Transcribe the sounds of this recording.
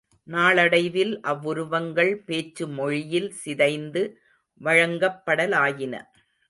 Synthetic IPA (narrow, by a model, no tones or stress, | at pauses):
naːɭɐɽɐɪʋɪlʔɐʋːʊɾʊʋɐŋɡɐɭpeːt͡ʃːɯmɔɻɪjɪlsɪðɐɪnd̪ɯ | ʋɐɻɐŋɡɐpːɐɽɐlaːjɪnɐ̰